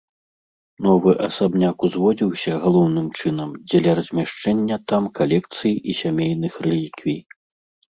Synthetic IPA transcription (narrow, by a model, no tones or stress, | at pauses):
nɔvɨʔɐsabnʲakuzvɔd͡zʲiwsʲɐɣalˠɔwnɨmt͡ʂɨnɐmd͡zʲɛlʲɐɾɐzʲmʲaʂt͡ʂɛnʲːɐt̪amkalʲɛk̚t̪sɨjʔisʲamʲejnɨxrɨlʲikvʲij